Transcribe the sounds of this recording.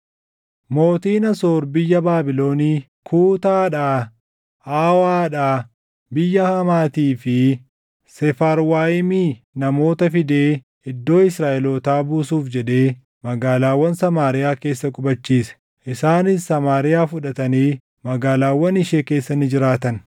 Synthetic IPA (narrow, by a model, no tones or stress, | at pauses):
mo̞ːt̪iːnɐsoːɾbɪjːɐbaːbɪlo̞ːniː | kʰuːt̪aːᶑaː | aːwaːᶑaː | bɪjːɐhɐmaːt̪iːfɪ | sɛfaːɾwaːɪmiː | nɐmo̞ːt̪ɐfɪd̪e̞ː | ɪd̪ːo̞ːɪsɾaːʔɛloːt̪aːbuːsuːfd͡ʒɛᶑe̞ː | mɐɡaːlaːwːɐnsɐmaːɾɪjaːke̞ːsːɐkʼʊbɐt͡ʃːiːsɛ̥ | ʔɪsaːnɪsːɐmaːɾɪjaːfʊᶑɐt̪ɐniː | mɐɡaːlaːwːɐnɪʃeːke̞ːsːɐnːɪd͡ʒɪɾaːt̪ɐn